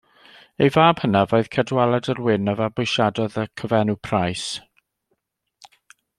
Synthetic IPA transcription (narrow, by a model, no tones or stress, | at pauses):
ejvaːb̥hənavɔɨð̥kʰədwalˠadərwɪnəvabʊjʃadɔðəkʰəvɛnupʰrajs